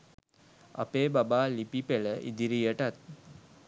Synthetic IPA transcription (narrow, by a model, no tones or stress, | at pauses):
a̰peːbabaːlipipeləʔḭd̪iɾijəʈat̪̚